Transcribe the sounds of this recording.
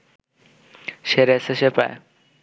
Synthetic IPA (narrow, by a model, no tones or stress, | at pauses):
ʃeɾeseʃepa̰e